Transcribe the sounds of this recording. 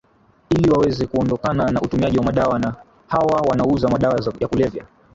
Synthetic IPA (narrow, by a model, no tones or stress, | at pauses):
iliwawɛzɛkuɔndɔkananaʔutumiaʄiwamaɗawana | hawawanauzamaɗawajakulɛvja